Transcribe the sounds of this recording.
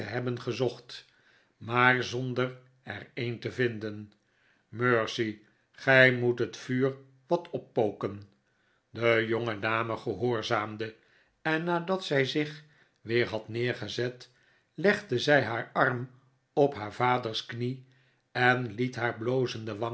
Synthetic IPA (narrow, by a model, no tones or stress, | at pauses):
əɦɛbənχəzɔχt | maːrzɔndər | ɛ̰ɹejntəvɪndən | møːɹsi | χɛjmutɦətfyːr | ʋɑtɔpːowkən | dəjoŋədaːməχəɦoːɹzaːmdə | ɛnːaːdɑtsɛjzɪχ | ʋɪːɹɦɑtnɪːɹχəzɛt | lɛχdəzɛjɦaːɹɑrm | ɔpɦaːɹv̥aːdəɹskni | ɛnlitɦaːɹblowzəndəʋɑ